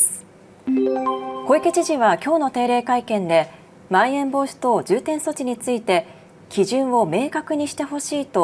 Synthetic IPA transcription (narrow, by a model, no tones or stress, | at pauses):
ko̞iket͡ɕiʑiβakʲo̞ːno̞t̪e̞ːɾe̞ːkaikẽ̞nd̪e̞ | maiẽ̞mbo̞ːɕi̥t̪o̞d͡ʑɨːt̪ẽ̞ɰ̃so̞t͡ɕiɲ̟it͡sɨit̪e̞ | kʲiʑɨ̃ɰ̃o̞me̞ːkakɯ̟ɲ̟iɕi̥t̪e̞ɦo̞ɕiːt̪o̞